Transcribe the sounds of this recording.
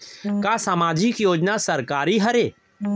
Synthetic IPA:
kaːsaːmaːd͡ʒɪkjoːd͡ʒnasɐɾkaːɾiɦɐɾeː

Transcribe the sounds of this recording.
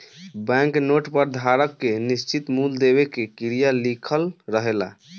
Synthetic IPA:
bɛ̃ŋknoʈpəɾd̪ʱaɾəkːenist͡ʃit̪muld̪ebekekiɾijalikʰəlɾəɦela̰

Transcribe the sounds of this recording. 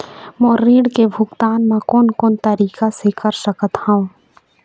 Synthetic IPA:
moːɾːiːɽkebʱʊɡt̪aːnmãkɔːnkoːnt̪əɾiːkasekəɾsəkət̪haũ

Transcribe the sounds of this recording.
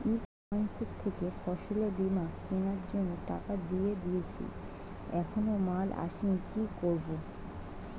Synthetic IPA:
ik | ansekt̪ʰːekefɔʃolebimakkenaɾd͡ʑonːoʈa̰kad̪ied̪ijet͡ɕʰḭ | ɛkʰonomalʔa̰ʃikikoɾbo

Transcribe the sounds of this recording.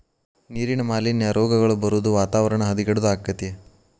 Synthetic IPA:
niːɾinɐmaːlinːɐɾɔːɡɐɡɐɭubɐɾud̪uʋaːt̪aːʋɐɾɐɳɐɦɐd̪iɡɐɽud̪aːkːɐt̪ije

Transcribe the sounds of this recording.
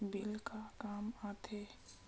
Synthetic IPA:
bɪlkakaːmat̪ʰeː

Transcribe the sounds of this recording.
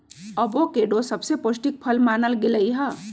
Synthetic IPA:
əbokeɖosəbseposʈik̚pʰəlmaːnəlɡeləiɦə

